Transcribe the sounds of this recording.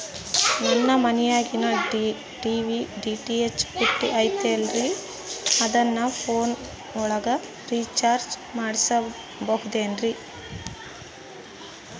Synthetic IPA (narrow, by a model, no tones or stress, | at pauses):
nɛnːɐmɐnijaːɡinɐɖ | ɖiʋiɖiːʈiet͡ʃːpuʈːiʔɐjt̪elɾi | ɐd̪ɐnːɐpʰoːn | ɔɭɐɡɐ | ɾiːt͡ʃaːɾd͡ʒmaːɽisɐ | bɐɦud̪eːnɾi